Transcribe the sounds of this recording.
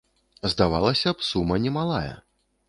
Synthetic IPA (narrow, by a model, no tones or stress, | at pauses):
zd̪avalˠɐsʲɐpsumɐnʲɛmalˠajɐ̰